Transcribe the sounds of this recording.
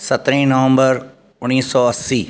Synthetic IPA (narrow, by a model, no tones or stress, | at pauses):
sət̪ɾẽːnəʋə̃mbəɾ | ʊnːiːsɔːəsiː